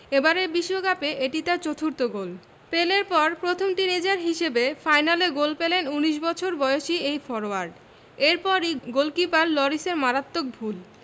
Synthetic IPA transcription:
ebaɾeɾbiʃːoɡapeʔeʈit̪aɾt͡ɕot̪ʰuɾt̪oɡol | peleɾpɔɾpɾot̪ʰomʈined͡ʑaɾɦiʃebefajnaleɡolpelenuniʃ̬bɔt͡ɕʰoɾbɔeoʃiejfɔɾoaɾɖ | eɾpɔɾiɡolkipaɾlɔɾiseɾmaɾat̪ːok̚bʱul

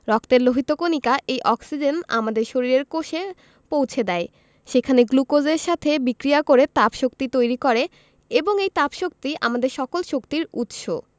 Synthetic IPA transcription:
ɾɔk̚t̪eɾloɦit̪okonikaʔejʔɔksid͡ʑena̰mad̪eɾʃoɾiɾeɾkoʃe | powt͡ɕʰed̪ɛe | ʃekʰaneɡlukod͡ʑeɾʃat̪ʰebikɾiakoɾet̪apʃok̚t̪it̪ojɾikɔɾe | eboŋejt̪apʃok̚t̪iʔa̰mad̪eɾʃɔkolʃokt̪iɾut̪ʃo̰

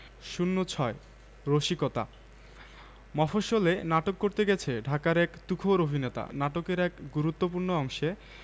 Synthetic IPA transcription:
ʃunːot͡ɕʰɔe | ɾoʃikɔt̪a̰ | mɔfoʃolenaʈokːoɾt̪eɡɛt͡ɕʰeɖʱakaɾɛkt̪ukʰoɾobʱinet̪a̰naʈokeɾɛkɡuɾut̪ːop̬uɾnoɔŋʃe

